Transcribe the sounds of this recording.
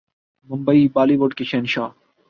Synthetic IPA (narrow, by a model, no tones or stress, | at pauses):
mʊmbɐibaːliboɖkeʃeːnʃaː